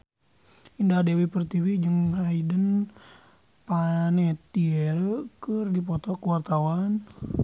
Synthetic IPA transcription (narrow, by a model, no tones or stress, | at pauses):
indadewipərt̪ivid͡ʒəŋhaidən | panɛt̪iɛɾəkərdip̬ɔt̪ɔkəwart̪awan